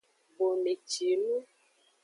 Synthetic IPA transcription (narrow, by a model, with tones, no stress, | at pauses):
bo˨me˨t͡ʃi˨˦mu˦